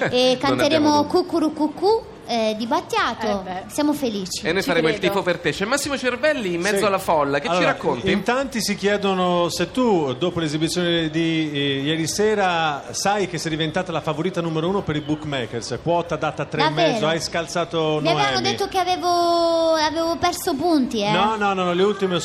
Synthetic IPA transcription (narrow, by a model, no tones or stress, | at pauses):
ekːanneɾeːmokukːuɾukukːu | d̪ibat̪ːjaːt̪osjamofeliːt͡ʃi̥enːojsaɾeːmoilt̪iːpopert̪et͡ʃːɛmːasːimot͡ʃervɛlːiːmːɛd̪zːoalːafɔlːakealːt͡ʃːoːiɾakːont̪int̪ant̪isik̟jɛːd̪onoset̪ːud̪oːpolezibit̪sːjoːned̪ijɛːɾisɛːɾasajk̟esːɛjd̪ivent̪aːt̪alafavoɾiːt̪anumeɾouːnopeɾibukmɛkːerskwɔt̪ad̪at̪aːt̪ːɾeamːɛzːoajskalt̪saːt̪onmiaeaɛnod̪et̪ːokeaveːvoaveːvopɛrsopunt̪iɛnɔnːɔnːɔnːɔleult̪ime